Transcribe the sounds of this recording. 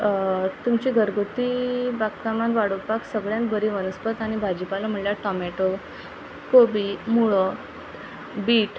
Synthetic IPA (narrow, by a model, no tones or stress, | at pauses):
t̪umt͡ɕiɡʱəɾɡʱot̪ibakkamãnʋaɽopaksəɡɭjãnbʱəɾiʋənəspət̪aɽ̃ibʱad͡ʑipalam̤əɳljaʈɔmɛʈo | kobimuɭɔ | biːʈ